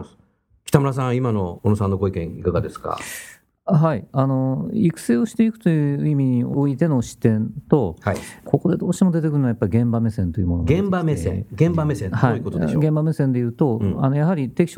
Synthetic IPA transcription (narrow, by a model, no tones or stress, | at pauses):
s | kʲi̥t̪amɯ̟ɾas̬ãɰ̃imano̞onosãnːo̞ɡoikẽikaɡad̪e̞sɨ̥ka̰ | ɦaiano̞ikɯ̥seːoɕi̥t̪eikɯ̟̥t̪o̞jɯ̟ːimʲiɲ̟iooit̪e̞no̞ɕi̥t̪ːẽ̞nt̪o̞haikʰo̞ko̞d̪e̞d̪o̞ːɕi̥t̪emo̞d̪e̞t̪̬ekɯ̟ɾɯnajapːaɾʲiɡẽ̞mbame̞sẽ̞nt̪o̞jɨɯmo̞noɡẽmbamesẽɡẽ̞mbamesẽnhaiikot̪oeɡẽmbame̞sẽnd̪e̞jɯ̟ːt̪o̞anojaɦaɾʲit̪e̞kʲi̥ɕ